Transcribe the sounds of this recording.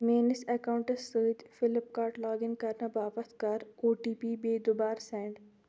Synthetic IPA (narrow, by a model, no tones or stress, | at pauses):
meːnɪsɛkaːʊ̃ɳʈəsəːt̪fɪlɪpkaːɾʈlaːɡɪnkɐɾnabaːpəst̪kɐɾoːʈiːpiːbeːd̪ʊbaːɾsɛ̃ːɳɖ